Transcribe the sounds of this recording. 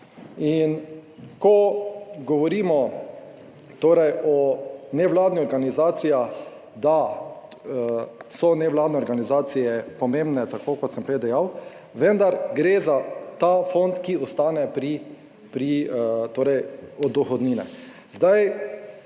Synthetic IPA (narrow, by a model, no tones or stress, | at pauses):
inkɔɡɔʋɔɾiːmɔ | t̪oːɾɛjɔnɛʋlaːd̪niɔɾɡanizaːt̪sija | d̪a | sɔnɛʋlaːd̪nɛɔɾɡanizaːt̪sijɛpɔmẽmbnɛt̪akoːkɔt̪sɛmpɾewd̪ɛjaw | ʋɛnd̪aɾɡɾeːzat̪afont̪kiɔst̪aːnɛpɾi | pɾit̪oːɾɛjɔd̪ɔxɔd̪niːnɛ̰ | zd̪aj